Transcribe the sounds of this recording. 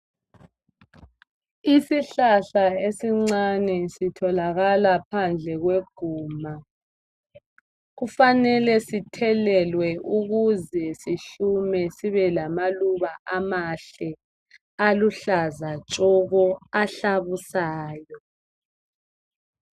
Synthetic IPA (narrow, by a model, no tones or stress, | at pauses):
isiɬaɬaesiŋ͡ǀanɛsitʰɔlaɣalapʰand͡ɮʱɛɣweɡ̥ʱuːma | ɣufanɛlɛsitʰɛlɛlwɛʔuɣuzɛsiɬumɛsiβɛlamaluβaʔamaɬɛ | aluɬazat͡ʃʼɔɣɔaɬaβusaːjɔ